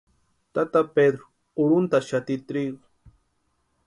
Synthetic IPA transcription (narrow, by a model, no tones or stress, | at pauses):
t̪at̪aped̪ɾʊ | ʊɾʊnt̪aʃat̪ɪt̪ɾiɡ